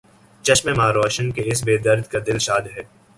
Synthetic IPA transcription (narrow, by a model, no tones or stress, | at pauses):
t͡ʃɐʃmẽmaːɾɔːʃənkeɪs̬beːd̪ɐɾd̪kad̪ɪlʃaːd̪ɦɛː